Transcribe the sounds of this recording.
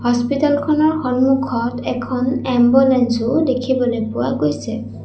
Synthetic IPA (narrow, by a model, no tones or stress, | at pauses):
hɔspitalkʰɔnɔɹxɔnmukʰɔtɛkʰɔnɛmbonɛnsʊdekʰibɔlepʊakojsɛ